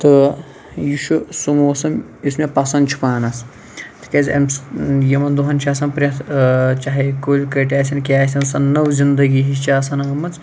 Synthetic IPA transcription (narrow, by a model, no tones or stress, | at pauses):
t̪ɨ | juʃusumoːsɐm | ismepɐsɐnd̪t͡ʃʰu̥paːnɐs | t̪ʰɨ̥kʲɐzʲɐ̰msjɐmɐnd̪uɦɐnt͡ʃʰaːsɐnpɾʲɐt̪ʰt͡ʃaɦɐkoːlʲkɐʈʲaːsʲɐnkʲaːsʲɐnsɐnnɐwzʲind̪ɐɡiɦist͡ʃaːsɐnɐŋɡɐmɐnt͡s